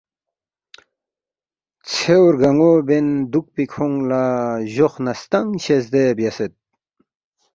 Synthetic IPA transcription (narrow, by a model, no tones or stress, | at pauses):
t͡sʰewɾɡɐŋobend̪uk̚pikʰoŋlaʑoxnɐst̪ɐŋɕesd̪ebjɐset̪̚